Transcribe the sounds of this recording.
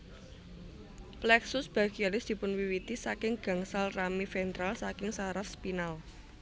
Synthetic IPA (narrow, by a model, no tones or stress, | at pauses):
plɛksʊsb̥a̤ɡ̥ialɪsd̪̥i̤pʊnwiwit̪isakɪŋɡ̥ä̤ŋsalramifɛnt̪ɾalsakɪŋsaɾafspinal